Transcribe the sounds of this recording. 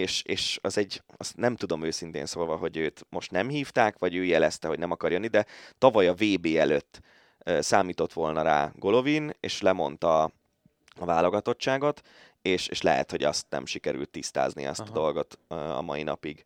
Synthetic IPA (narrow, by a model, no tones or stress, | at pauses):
eːʃeːʃɒzɛɟːɒst̪nɛmt̪ud̪o̞møːsint̪ḛːnsoːlvɒɦo̞ɟøːt̪mo̞ʃt̪nɛmɦiːft̪aːkʋɒɟøːjɛlɛst̪ɛɦo̞ɟnɛmɒkɒrjonːid̪ɛt̪ɒvɒjɒveːbeːɛløt̪ː | øsaːmiːt̪o̞t̪ʋo̞lnɒɾa̰ːɡo̞lo̞vinḛːʃlɛmo̞nt̪ɒ | ɒvaːlo̞ɡɒt̪o̞t͡ʃːaːɡo̞t̪ | eːʃeːʃlɛ̰ɦɛ̰t̪ho̞ɟɒ̰st̪nɛ̰mʃikɛɾy̰lt̪ːist̪a̰ːznḭɒ̰st̪ɒd̪o̞lɡo̞t̪ɒ̰mɒinɒ̰piɡ